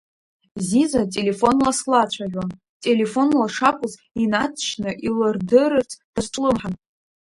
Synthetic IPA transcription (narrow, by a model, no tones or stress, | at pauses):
zizatʼe̞le̞fo̞nlaslat͡ɕʷʰaʒʲʷᶣan | tʼe̞le̞fo̞nlaʂakʷʼʊz | inat͡sʰʃnɨʔilɨrdɨɾɨrt͡sʰd̥azʈ͡ʂʼlɨmħan